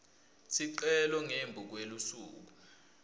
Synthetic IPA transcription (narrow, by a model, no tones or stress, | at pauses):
sʰiǃɛlɔŋembʱuk̬welusṵːk̬u